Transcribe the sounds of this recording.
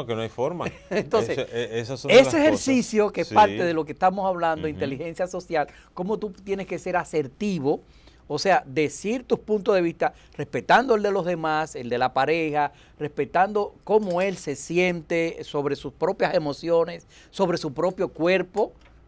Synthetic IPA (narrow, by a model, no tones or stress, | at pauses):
kenoajfoɾma | ent̪onsesesasoeseheɾsisjo̞keespaɾt̪eðelo̞k̬est̪amosaβland̪oint̪e̞lixe̞nsjaso̞sjal | ko̞mo̞t̪ut̪jeneske̞se̞ɾase̞ɾt̪iβo̞ː | se̞aðe̞siɾt̪uspunt̪oðe̞βist̪a | r̥e̞spe̞t̪and̪oeld̪e̞lo̞zðe̞mase̞ld̪e̞lapaɾexa | respe̞t̪and̪o̞ko̞moe̞lse̞sje̞nt̪eso̞βɾe̞suspɾo̞pjase̞mo̞sjo̞ne̞sː | o̞βɾe̞supɾo̞pjo̞kwe̞ɾpo̞